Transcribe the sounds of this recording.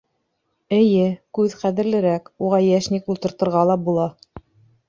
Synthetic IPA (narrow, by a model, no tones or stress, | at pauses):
ɘ̆jɘkʉðχæðɘ̆ɾlɘ̆ɾækuʁɑjæʃnikulˠt̪ɤ̆ɾt̪ɤ̆ɾʁɑlˠɑbulˠɑ